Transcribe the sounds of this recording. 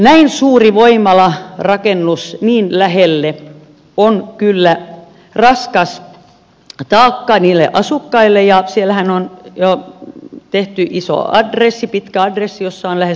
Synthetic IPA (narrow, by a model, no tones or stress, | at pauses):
næinsuːriʋoimɑlɑrɑkenːusniːnlæhelːe | onkylːæ | rɑskɑs | t̪ɑːkːɑniːlːˑḛʔɑsukːɑilːˑejɑsielhænonjo | t̪eht̪yʔiso̰ɑ̰dresːipit̪kæɑdresːijosːɑonlæhe